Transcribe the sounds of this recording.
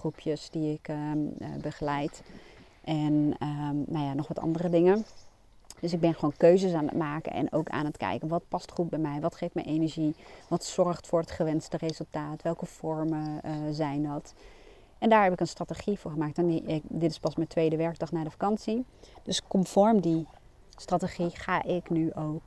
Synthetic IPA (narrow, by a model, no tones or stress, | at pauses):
rupʰjəsdiɪk | bəχəlɛjt | ʔɛnənajanɔχʋɑtʰɑ̰ndərədɪŋən | d̥øs̬ɪɡ̚bɛnχəʋoːnkøɥzəsaːnə̰tmaːkə̰nʔɛ̰nʔo̰wka̰ːnətkɛ̰jkənʋɑt̚pɑstχut̚bɛjmɛjʋɑtχejftmɛ̰jʔenəɹʒiʋɑtsɔrχtfʊːɹətχəʋɛnstərezɵlˠtaːtʋɛlˠkəv̥ɔɹməzɛjndɑt | ʔɛndaːɹɦɛpɪkənstrateχivʊːɹχəmaːk̚tɔnkdɪtɪ̥spɑsməntʋejdəʋɛɹk̚dɑχnaːɹdəfakɑnsid̥øskɔmfɔɹmdi | strateχiχa̰ːʔɪknyʔowk